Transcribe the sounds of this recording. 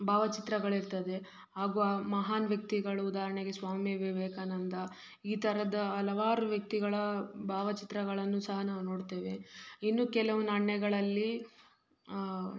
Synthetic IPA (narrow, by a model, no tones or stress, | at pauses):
bʱaːʋɐt͡ʃit̪ɾɐɡɐɭiɾt̪ɐd̪e̞ | ɦaːɡuamɐɦaːnʋjɐk̚t̪iɡɐɭɐud̪aːɾɐɳeɡe̞sʋaːmjʋeːbeːkaːnɐnd̪ɐ | iːt̪ɐɾɐd̪ɐɐlɐʋaːɾuʋjɐk̚t̪iɡɐɭɐbʱaːʋɐt͡ʃit̪ɾɐɡɐɭɐnːusɐɦɐnaːʋuno̞ːɖt̪e̞ːʋe̞inːuːkɛlɐʋunɐɳːɛɡɐɭɐlːi